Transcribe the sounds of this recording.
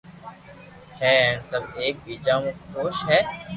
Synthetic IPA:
hɛːɛ̃ːsəbeːk̚biːd͡ʒaːmẽːxoːʃɦɛː

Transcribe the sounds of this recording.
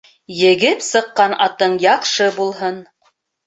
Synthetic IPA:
jɘ̆ɡɘpsɤ̆qːɑnɑ̰t̪ɤɴjɑqʃɤbulˠɦɤn

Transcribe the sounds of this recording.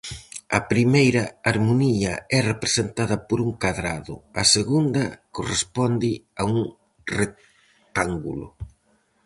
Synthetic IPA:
ɐpɾimejɾɐaɾmoniɐɛrepɾesent̪aðɐpoɾuŋkaðɾa̰ðʊ̰ɐseɣund̪ɐkorespɔnd̪ɪauŋ | re | t̪aŋɡṵlʊ̰

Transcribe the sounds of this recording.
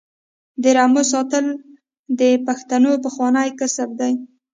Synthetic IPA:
d̪əɾamos̬ɑt̪əl | d̪əpaxt̪anop̬əxwɑnajkasəbd̪aj

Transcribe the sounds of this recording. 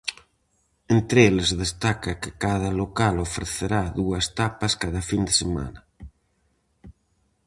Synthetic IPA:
ent̪ɾelezðest̪akakɪkað̞ɐlokalofɾeθeɾaðuɐst̪apaskaðɐfind̪esema̰nɐ

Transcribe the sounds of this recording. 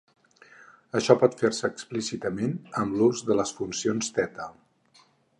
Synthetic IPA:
əʃɔpɔt̪feɾsəːksplisit̪əmenəmbluzðələsfunsionst̪ɛt̪alˠ

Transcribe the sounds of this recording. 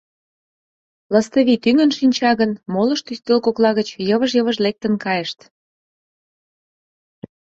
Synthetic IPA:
ləst̪ə̆βit̪yŋə̆nʃinʲt͡ɕɑɣənmolə̆ʃt̪yst̪elkoklɑɣət͡ɕjəβəʒjəβə̆ʒlek̚t̪ə̆nkɑjəʃt̪

